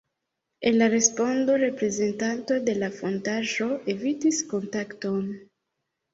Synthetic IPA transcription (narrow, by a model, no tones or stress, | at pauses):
enlaɾe̞spo̞ndo̞ɾe̞pɾe̞ze̞ntanto̞de̞lafo̞ntaʒo̞ʔe̞vitisko̞ntakto̞n